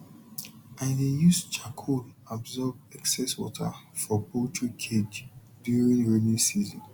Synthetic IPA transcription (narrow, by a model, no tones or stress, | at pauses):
ãɪdejust͡ʃakʰo | abzɔbɛksɛswɔ̰tʰa̰fɔbotʰukʰed͡ʒ | djuɹĩŋɹenĩsizɔ̰̃n